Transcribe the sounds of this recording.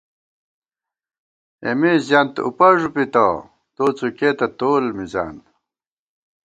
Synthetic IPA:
ḛmizjant̪ṵpɐʐupit̪ɐ̰ | t̪oːt͡suket̪ɐt̪oːlmiza̰ːn

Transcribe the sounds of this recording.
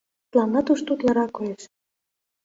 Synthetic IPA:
t̪lɑmnɑt̪uʃt̪ut̪lɑɾɑkojeʃ

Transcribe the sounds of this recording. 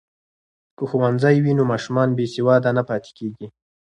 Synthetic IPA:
kəxuwanzajwinomɑʃumɑnbesewɑd̪anapɑt̪e̥keɡi

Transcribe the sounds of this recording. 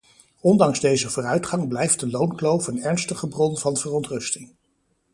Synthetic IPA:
ɔndɑŋzdejzəvoːrœɥtχɑŋblɛjft̚dəlownklowfənɛɹnstəχəbrɔnvɑnvərɔntrɵstɪŋ

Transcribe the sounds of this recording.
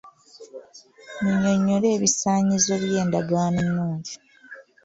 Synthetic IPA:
miɲoɲːoɾeːβisaːɲizo̞βjeːndaɡaːnenːuːɲɟi

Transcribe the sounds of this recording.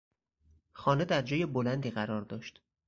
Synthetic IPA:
xɒːne̞d̪æɾd͡ʒɒːjebolænd̪iːɣæɾɒːɾd̪ɒːʃt̪

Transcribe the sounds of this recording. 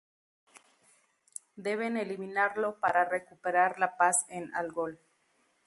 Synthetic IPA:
d̪e̞β̞e̞neliminaɾlo̞paɾarekupeɾaɾlapasena̰lɡol

